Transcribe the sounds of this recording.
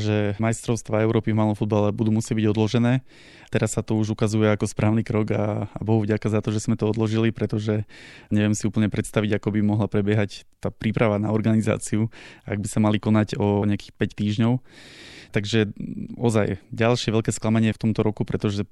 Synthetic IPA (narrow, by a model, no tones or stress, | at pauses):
ʒɛmajst̪ɾɔʊst̪ʋaːɛʊɾɔːpivmaːlˠɔmfud̪balɛbud̪uːmusɪɛɟ̚biɟɔd̪lɔʒɛnɛː | t̪ɛɾasːat̪ɔuʒukazujɛakɔspɾʔaːʊniːkɾɔɡabɔɦuvɟakazat̪ɔʒɛz̥mɛt̪ɔɔd̪lɔʒilipɾɛt̪ɔʒɛɲɛʋɪɛmsiuːpl̩ɲɛpɾɛt̪st̪aʋiɟakɔbimɔɦlapɾɛbɪjɛɦact̪aːpɾiːpɾaʋanaɔɾɡaniza̰ːt͡siuaɡ̚bisamalikɔnaɟɔɲɛakiːxpɛct̪iːʒɲɔʊt̪aɡʒɛɔzajɟalʃɪɛʋɛʎkɛːsklamaɲɪɛft̪ɔmt̪ɔɾɔkupɾɛt̪ɔʒɛ